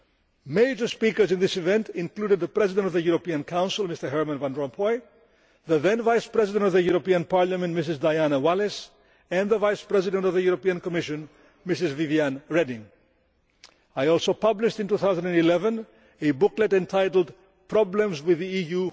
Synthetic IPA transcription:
meɪd͡ʒə˞spikə˞zɨ̃nðɪsivɛ̃ntɪ̃nkludɨd̪̚ðəpɹɛzɪdə̃ntɔvðəjuɾopiə̃nkʰãʊ̃nsɪlˠmɪstə˞ɦɛɹmə̃nvãndɹɔ̃mpʰɔj | ðəðɛ̃nvajspɹɛzɪdə̃ntɔvðəjuɾopiə̃npaɹləmɛ̃ntmɪs̬ɪzdajanəwalɛs | ɛ̃nðəvajspɹɛzɪdə̃ntɔvðəjuɾopiə̃nkɔmɪʃɨ̃n | mɪsɨzviviãnɹɛdɪ̃ŋ | ajɔlˠsoʊpʌblɪʃtɨ̃ntuθawzə̃ndɛ̃ndilɛvə̃n | ebʊklɛtɛ̃ntʰajɾl̩ˠd | pʰɹɔblə̃mzwɪðiiju

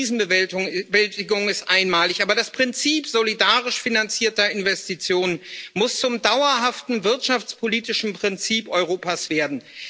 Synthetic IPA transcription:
iːzn̩bvɛltɪɡʊŋɪstʔaɪnmaːlɪçʔaːbɐdaspʁ̥ɪnt͡siːpz̥olidaːʁɪʃfinant͡siːɐtɐɪnvɛstit͡sjoːnənmʊst͡sʊmdaʊɐɦaftn̩vɪɐtʃaft͡spʰoliːtɪʃn̩pʁ̥ɪnt͡siːpɔʏʁoːpaːsv̥eːɐdn̩

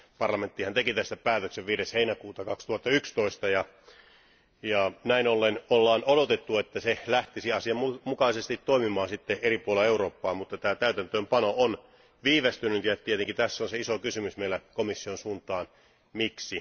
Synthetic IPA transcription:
pɑrlɑment̪ːihænt̪ekit̪æst̪æpæːt̪økseʋʋiːɾesheinækuːt̪ɑkɑkst̪uhɑt̪ːɑykst̪oist̪ɑjɑ | jɑnæinolːenolːɑːnodot̪et̪ːuet̪ːæselæht̪isiɑsiɑumukɑisest̪it̪toimimɑːsit̪ːeeripuoleeuroːpːɑːmut̪ːɑt̪æːt̪æyt̪ænt̪øːmpɑnoon | ʋiːʋest̪ynyt̪ieɑt̪ːiet̪eŋkit̪æsːonseisokysymysmeilækomisːionsuːnt̪ˑɑːn | miksi

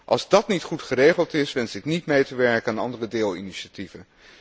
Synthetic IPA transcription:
ʔɑ̰lˠzdɑtnitχutχərejχəlˠtɪsʋɛnsɪknitmejtəʋɛɹkəaːnɑ̰ndərədeːlˠḭniʃativə

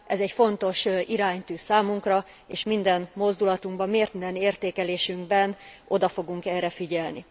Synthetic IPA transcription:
ʔɛzɛcfo̞nt̪o̞ʃiɾaːɲt̪yːsaːmuŋkrɒ | eːʃmind̪ɛnmo̞zd̪ulɒt̪uŋɡbɒmːeːrt̪mind̪ɛneːrt̪eːkɛleːʃyŋɡbɛn | o̞d̪ɒfo̞ɡuŋkɛrːɛfiɟɛlnḭ

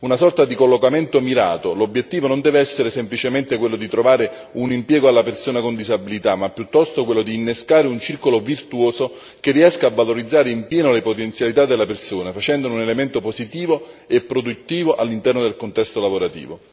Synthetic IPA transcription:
unasɔrt̪ad̪ikolːokament̪omiɾa̰ːt̪olobjet̪ːiːvonond̪ɛːveɛsːeɾesemplit͡ʃement̪ekwelːod̪it̪ɾovaːɾe | unimpjɛːɡoalːapersoːnakond̪izabilit̪amːapːjut̪ːɔst̪okwelːod̪iːnːeskaːɾeunt͡ʃirkolovirt̪uoːzo | kerːiɛskaːvːaloɾid̪zːaːɾeimpjɛːnolepot̪ent̪sjalit̪ad̪ːelːapersoːnafat͡ʃɛnd̪onunelement̪opozit̪iːvoepːɾod̪ut̪ːiːvoʔalːint̪ɛrnod̪elkont̪ɛst̪olavoɾat̪ḭːvo

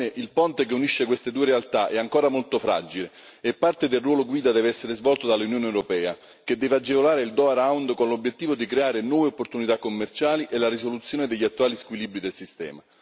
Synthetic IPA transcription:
eʔilpɔnt̪ek̬euniʃːekwest̪ed̪uːeɾealt̪aʔɛaŋkoːɾamolt̪ofɾa̰d͡ʒile | epːart̪ed̪elrwɔːloɡwiːd̪ad̪ɛːveɛsːeɾezvɔlt̪od̪alːunjoːnewɾopɛːa | k̟ed̪ːɛːvead͡ʒːevolaːɾeild̪ɔaɾawnd̪konlobjet̪ːiːvod̪ikɾeaːɾenwɔːveopːort̪unit̪akːomːert͡ʃaːliʔelaɾisolut̪sːjoːned̪eʎːiat̪ːuwaːliskwilibɾid̪elsist̪ɛ̰ːma

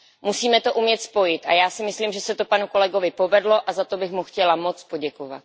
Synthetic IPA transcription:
musiːmɛt̪o̞ʔumjɛt̪spo̞jɪt̪ʔa̰jaːsɪmɪsliːmʒɛsɛt̪opanuko̞lɛɡo̞vɪpo̞vɛdlo̞ʔazat̪o̞bɪxmuxcɛlamo̞t͡spo̞ɟɛkova̰t̪̚

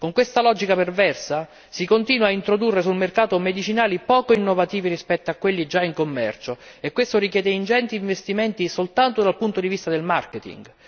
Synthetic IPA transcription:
koŋkwest̪alɔːd͡ʒikapervɛrsa | sikont̪iːnwaːint̪ɾod̪urːesulmerkaːt̪omed̪it͡ʃinaːlipɔːkoinːovat̪iːviɾispɛt̪ːoakːwelːid͡ʒaiŋkomːɛ̰rt͡ʃo | ekːwest̪oɾikjɛːd̪eind͡ʒɛnt̪iːɱvest̪iment̪isolt̪ant̪od̪alpunt̪od̪ivist̪ad̪elmarket̪ḭŋɡ

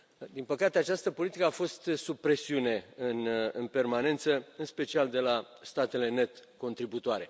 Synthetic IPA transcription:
d̪inpəkat̪e̞at͡ʃast̪əpo̞lit̪ikəafo̞st̪supɾe̞siune̞ɨnɨnpe̞rmane̞nt̪səɨnspe̞t͡ʃiald̪e̞last̪at̪e̞le̞ne̞t̪ko̞nt̪ɾibut̪oaɾe̞

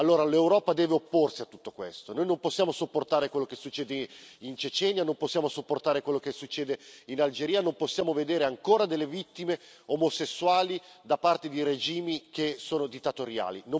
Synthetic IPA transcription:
alːoːɾalewɾɔːpad̪ɛːveopːorsiat̪ːu̥t̪ːokwḛst̪onoːjnomposːjaːmosopːort̪aːɾekwelːokesːut͡ʃːeːd̪eint͡ʃet͡ʃɛnjanomposːjaːmosopːort̪aːɾekwelːokesːut͡ʃːeːd̪einald͡ʒeɾiːanomposːjaːmoved̪eːɾeaŋkoːɾad̪elːevit̪ːimeomosesːuaːlid̪apart̪ed̪iɾed͡ʒiːmik̟esoːnod̪it̪ːat̪oɾja̰ːlḭnõ

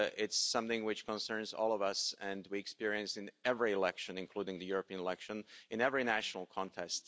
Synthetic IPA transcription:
ɪtsʌ̃mθɪ̃ŋwɨt͡ʃkə̃nsɜ̃˞nzɔ̰lˠʌvʌsɨ̃ndwiɨkspɪɹiɨ̃nsɨ̃nɛvɹiɨlɛkʃɨ̃nɨ̃nkʰl̥uɾɪ̃ŋðɨjʊɹəpĩɨ̃nɪlɛkʃə̃nɨ̃nɛvɹinæʃnl̩ˠkʰɑ̃ntʰɛst

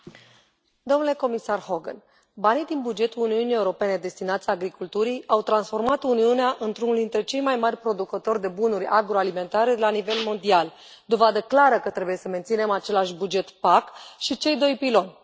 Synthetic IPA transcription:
d̪o̞mnuleko̞misarho̞ɡə̰n | banijd̪inbud͡ʒe̞t̪uluniunije̞uɾo̞pe̞ne̞d̪e̞st̪inat̪sʲaɡɾikult̪uɾijawt̪ɾansfo̞rmat̪uniuneaʔɨnt̪ɾunuld̪int̪ɾe̞t͡ʃe̞jmajmarʲpɾo̞d̪ukət̪o̞rʲd̪e̞bunuɾʲa̰ɡɾo̞alime̞nt̪aɾe̞lanive̞lmo̞nd̪ial | d̪o̞vad̪əklaɾəkət̪ɾe̞buje̞səme̞nt̪sine̞mat͡ʃe̞laʃbud͡ʒe̞t̪pakʃit͡ʃe̞jd̪o̞jpilo̞nʲ

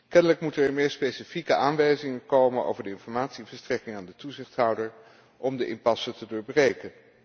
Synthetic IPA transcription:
kɛnələkmutəɹɛɹmɪːɹspejsifikəʔaːnʋɛjzɪŋəkowməno̰wvəɹdəɪnfɔɹmaːtsiɛnvəstrɛkɪŋaːndətuzɪχtɦʌwdəɹ | ʔɔmdəʔɪnpɑsətədʊːɹbrejkən

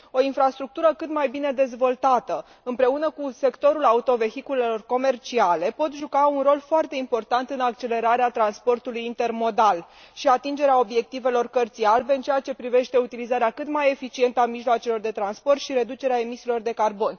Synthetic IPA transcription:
o̞infɾast̪ɾuk̚t̪uɾəkɨt̪majbine̞d̪e̞zvo̞lt̪at̪ə | ɨmpɾe̞unəkuse̞kt̪o̞ɾulaut̪o̞ve̞xikule̞lo̞rko̞me̞rt͡ʃiale̞po̞t̪ʒukaunro̞lfoart̪e̞impo̞rt̪ant̪ɨnak̚t͡ʃe̞le̞ɾaɾeat̪ɾanspo̞rt̪ulujint̪e̞rmo̞d̪al | ʃiat̪ind͡ʒe̞ɾeao̞bje̞k̚t̪ive̞lo̞rkərt̪sijalbe̞ɨnt͡ʃeat͡ʃe̞pɾive̞ʃt̪e̞ut̪ilizaɾeakɨt̪maje̞fit͡ʃie̞nt̪əamiʒloat͡ʃelo̞rd̪e̞t̪ɾanspo̞rt̪ʃiɾe̞d̪ut͡ʃe̞ɾeae̞misilo̞rd̪e̞karbo̞n

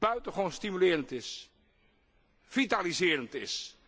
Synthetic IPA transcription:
b̥œɥtəχownstimylɪːɾəntɪs | v̥italizɪːɾəntɪs

